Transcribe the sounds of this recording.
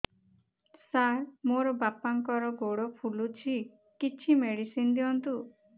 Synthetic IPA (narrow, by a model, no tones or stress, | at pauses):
saɾmoɾɔbapaŋkɔɾɔɡoɽɔpʰulut͡ʃʰi | kit͡ʃʰimeɽisind̪iɔnt̪u